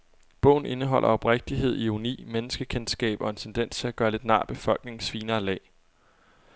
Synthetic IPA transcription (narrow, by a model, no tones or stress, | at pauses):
b̥ɔ̰̽ʊ̰n̩e̝nəɦɒ̽lʔɐɒ̽b̥ʁeɡ̥̚d̥iɦe̝ð̞̰ˠiunḭːmenəsɡ̥əkʰensɡ̥ɛ̰ːb̥ɒ̽e̝nt͡sʰend̥en̰st͡sʰe̝æɡ̥ɶːɐle̝d̥nɑ̰̈ːb̥e̝fɒ̽l̰ɡ̥ne̝ŋŋ̩sʋiːnɐːlɛ̰ː